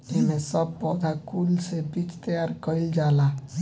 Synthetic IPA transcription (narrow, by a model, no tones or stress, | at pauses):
emesəbːɔd̪ʱakulsebit͡ʃt̪əjaɾkəild͡ʒala